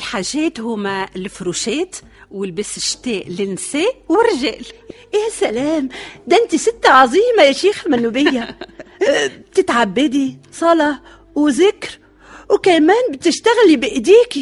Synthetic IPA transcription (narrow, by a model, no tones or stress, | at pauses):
lħaːʒeːt̪hʊːmalfɾuːʃeːt̪ | wɪlbɪsɪʃt̪eːʔlɪnseːʔwɪɾɪʒeːl | jasalaːmd̪ɪnt̪isɪt̪ːaʕɑzˤiːmajaʃiːxamanːubɪjːa | b̚t̪ɪt̪ʕabːɪd̪isˤɑlɑ | wzɪkɾ | wkamaːnbɪt̪ɪʃt̪aɣlibɪʔd̪iːki